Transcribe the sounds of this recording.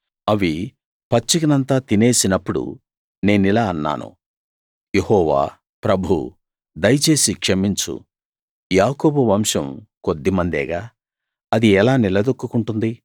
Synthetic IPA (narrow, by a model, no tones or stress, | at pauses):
ɐʋi | pɐt͡ʃːikinɐnt̪aːt̪ine̞ːsinɐpːuɽṵ | ne̞ːnilaːɐnːa̰ːnṵ | jehɔːʋa̰ː | pɾɐbʱṵ | d̪ɐjɐt͡ʃe̞ːsikʂemiɲt͡ʃṵ | jaːko̞ːbuʋɐmʂɐmko̞d̪ːimɐnd̪ɛ̰ːɡaː | ɐd̪iɛlaːnilɐd̪okːukuɳʈund̪i